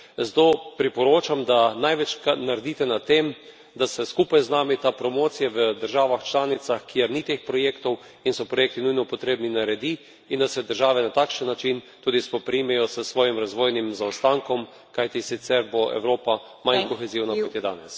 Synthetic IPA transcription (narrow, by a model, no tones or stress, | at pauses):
zt̪opɾipɔɾoːt͡ʃamd̪anajʋɛt͡ʃkanaɾɛd̪it̪ɛnat̪ːem | d̪asɛskupajznaːmit̪apɾɔmoːt̪sijaʋəd̪əɾʒaːʋaxt͡ʃlaːnit̪saxkijɛɾnit̪eːxpɾɔjeːkt̪ɔw | insɔpɾɔjeːk̚t̪inujnɔpɔt̪ɾeːbninaɾɛd̪i | ind̪asɛd̪əɾʒaːʋɛnat̪akʃənːat͡ʃint̪uːd̪ispɔpɾimɛjɔsəsʋɔːjimɾazʋoːjnimzawst̪aŋkɔm | kajt̪isit̪sɛɾboʔɛ̰wɾoːpa | mankɔxɛziwnakɔt̪jɛd̪a̰ːnɛs